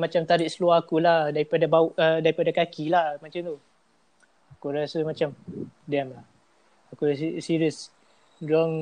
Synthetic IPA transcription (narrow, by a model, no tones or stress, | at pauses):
mat͡ʃamt̪aɾɪʔsəluahakulahdaɾipadabauʔədaɾipadakakilahmat͡ʃamt̪u | akuɾasəmat͡ʃamdɛmlah | akusisiɾiəs | dɔŋ